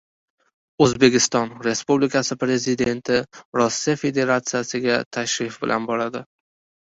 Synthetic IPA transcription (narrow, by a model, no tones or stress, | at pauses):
ɵzbe̞kʲɪst̪ɒnɾe̞spublikasɪpɾe̞zɪd̪e̞nt̪ʰɪɾɒsːijafe̞d̪e̞ɾat̪sɨjasɪɡʲat̪ʰaʃɾɪfbɪlʔa̰nbɒɾad̪ɪ